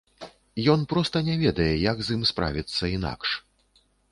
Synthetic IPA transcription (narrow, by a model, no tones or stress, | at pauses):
jɔnpɾɔst̪ɐnʲɛvʲɛd̪ɐjɛjaɡzimspɾa̰vʲit̪sːɐina̰kʂ